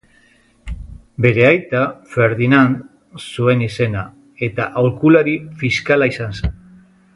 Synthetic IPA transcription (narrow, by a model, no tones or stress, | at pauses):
be̞ɾe̞ajt̪afe̞ɾðinan | sue̞nise̞na | e̞t̪aʔawɾkulaɾifiskalaisansen